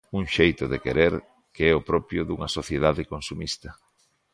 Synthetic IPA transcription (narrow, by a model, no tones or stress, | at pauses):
uŋʃejt̪ʊðekeɾeɾ | keɛʊpɾɔpjʊðuŋɐsoθjeðaðɪkonsumist̪ɐ